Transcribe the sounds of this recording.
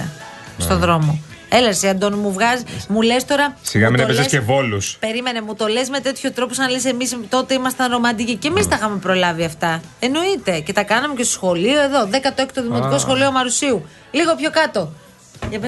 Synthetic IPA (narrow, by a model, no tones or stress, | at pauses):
ɐ̰ | st̪o̞ðɾo̞mo | e̞lɐsiɐnd̪onmuvɣɐzmule̞st̪o̞ɾɐsiɣɐminepesesevo̞luspe̞ɾime̞ne̞mut̪o̞le̞sme̞t̪e̞t̪çot̪ɾo̞posɐnɐlese̞mist̪o̞t̪e̞imɐst̪ɐnɾo̞mɐd̪icice̞mist̪ɐixɐmepɾo̞lɐviɐft̪ɐ | e̞no̞it̪e̞ce̞t̪ɐkɐnɐmece̞st̪osxo̞lio̞e̞ðo̞ðekɐt̪oeçi̥t̪oðimo̞t̪iko̞sxo̞lio̞mɐɾusiu | liɣo̞pço̞kɐt̪o̞ | ep